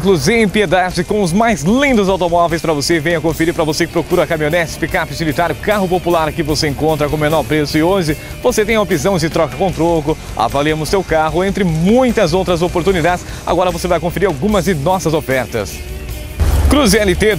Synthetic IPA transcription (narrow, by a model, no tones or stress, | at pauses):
klʊzẽj̃pied̪ad͡ʒɪkõw̃ʊzmajzlĩnd̪ʊzawt̪omɔvejspɾɐvosevẽj̃ɐkõfeɾiɾpɾɐvosekɪpɾokuɾɐkamionɛsɪ̥pikapɪt͡ʃilit̪aɾjʊʊkaɦʊpopulaɾkɪvoseẽŋkõnt̪̬ɾɐkõmenɔɾpɾesʊɪõd͡ʒɪ | voset̪ẽj̃ɐopizɐ̃w̃d͡ʒɪt̪ɾɔkɐkõt̪ɾokʊ | a̰valiẽmʊssewkaɦʊẽnt̪ɾɪmũj̃t̪ɐzowt̪ɾɐzopoɾt̪unid̪ad͡ʒɪs | a̰ɡɔɾɐvosevajkõfeɾiɾawɡũmɐzd͡ʒɪnɔsɐzofɛɾt̪ɐ̰s | kɾuzɛlɪt̪e